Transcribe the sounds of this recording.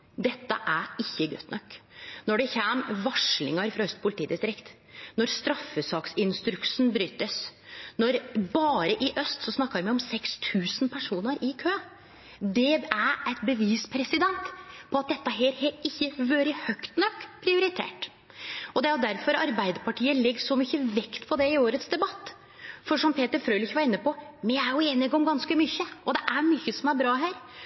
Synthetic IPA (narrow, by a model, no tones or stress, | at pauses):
d̪ɛt̪ːəʔæɾɪçːəɡœ̰t̪ːnʔɔkːnɔɖɛçɛmʋɑʂlɪ̰ŋəɾfɾɑœst̪̚pʰʊlɪt̪ʰiːd̪ɪst̪ɾɪkt̪ | nɔɾst̪ɾɑfːəsɑːksɪnst̪ɾʉksnbɾyːt̪əsnɔɾbɑːɾəʔɪʔœst̪sɔsnɑkːəjæmæɪɔmsɛkst̪ʰʉːsnpʰæʂuːnəɾɪkʰøː | d̪ɛæɾæt̪bəʋiːspʰɾɛsɪd̪ɛnt̪pʰɔɑt̪̚d̪ɛt̪ːəɦeːɾheɾɪçːəʋøːɾəhœkt̪nɔkːpʰɾɪʊɾɪt̪ʰḛːʈ | ɔd̪ɛæɾjʊd̪æɾfɔɾɑɾbæɪd̪əɾpɑʈʰiːəlɛɡːʂɔmyçːəʋɛkt̪pʰɔd̪ɛɪoːɾət̪sd̪ɛbɑt̪ː | fɔʂɔmpʰeːt̪əɾfɾøːlɪçʋɑɾɪnːəpɔmɛæɾjʊeːnɪɡɔmɡɑnskəmyçəʔɔd̪ɛʔæɾmyːçəsɔmæɾbɾɑːɦæːɾ